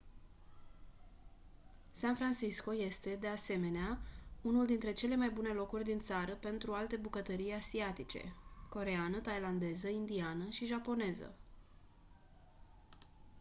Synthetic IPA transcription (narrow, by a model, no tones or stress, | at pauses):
sanfɾansisko̞je̞st̪e̞d̪e̞ase̞me̞neaunuld̪int̪ɾe̞t͡ʃe̞le̞majbune̞lo̞kurʲd̪int̪saɾəpe̞nt̪ɾualt̪e̞bukət̪əɾijasiat̪it͡ʃḛko̞ɾe̞anət̪ajland̪e̞zəind̪ianəʃiʒapo̞ne̞zə̰